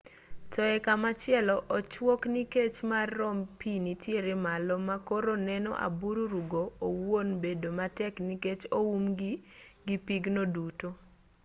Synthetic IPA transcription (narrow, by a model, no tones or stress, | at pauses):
tɔɛkamat͡ʃɪɛlɔʔɔt͡ʃwokniket͡ʃmarːɔmpinitjeɾemalɔmakoɾonɛnɔ̰ʔa̰buɾuɾuɡoːwonbedomatɛkniket͡ʃoumɡiɡipiɡnoduto